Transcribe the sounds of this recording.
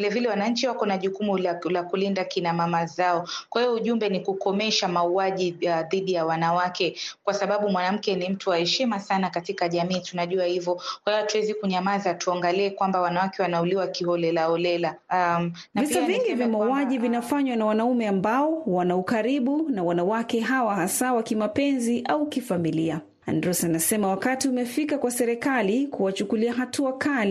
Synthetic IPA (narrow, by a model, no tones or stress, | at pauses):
vilɛvilɛwanaɲ̩t͡ʃiwakɔnaʄukumulakulindakinamamazaɔkwahivɔuʄumbɛnikukɔmɛʃamauaʄiðiɗijawanawakɛkwasaɓaɓumwanam̩kɛnim̩tuwahɛʃimasanakatikaʄamiːtunaʄuahivɔkwaivatuwɛzikuɲamazatuaŋɡaliɛkwambawanawakɛwanauliwakihɔlɛlaɔlɛla | am | navisaviŋɡivjamauwaʄivinafaɲwanawanaumɛambaɔwanaukaɾiɓunawanawakɛɦawaɦasawakimapɛnziʔaukifamilia | a̰ndɾɔsanasɛmawakatiumɛfikakwasɛɾɛkalikuwat͡ʃukuliaɦatuakali